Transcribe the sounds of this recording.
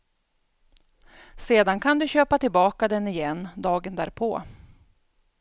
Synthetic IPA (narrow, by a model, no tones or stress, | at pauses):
seːd̪ankʰand̪ɵɕøːpat̪ɪlbɑːkad̪ɛnɪjɛnːd̪ɑːɡənd̪æ̰ːɾpʰo̰ː